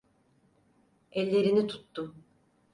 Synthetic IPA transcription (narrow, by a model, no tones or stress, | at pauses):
ɛlʲːe̞ɾinit̪ʰu̥t̪ːu